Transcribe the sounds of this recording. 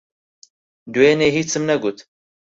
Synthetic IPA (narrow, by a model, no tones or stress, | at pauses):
d̪ujɛneːɦiːt͡ʃt͡sɨmnɛɡut̪